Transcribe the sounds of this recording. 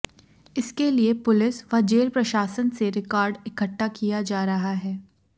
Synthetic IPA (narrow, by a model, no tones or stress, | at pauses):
ɪskeliepʊlɪsʋɐd͡ʒeːɾpɾɐʃaːsənseɾɪkaːɾɖɪkəʈːakijad͡ʒaːɾɐɦaɦɛː